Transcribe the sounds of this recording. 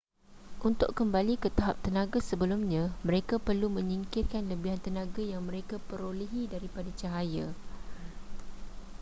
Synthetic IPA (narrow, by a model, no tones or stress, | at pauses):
ʔunt̪ʊkkəmbalikət̪aɦap̚t̪ənãɡasəbəlumɲãmə̃ɾekapərlumə̃ɲiŋkirkanləbiɦant̪ənãɡajaŋmə̃ɾekapəɾoliɦidaɾipadat͡ʃaɦaja